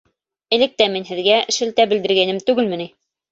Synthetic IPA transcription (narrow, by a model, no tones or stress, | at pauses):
ɘ̆lɘ̆k̚t̪æminɦɘ̆ðɡæɘ̆ʃɘ̆lt̪æbɘ̆ld̪ɘ̆ɾɡænɘmt̪ʉɡɘlmɘ̆ni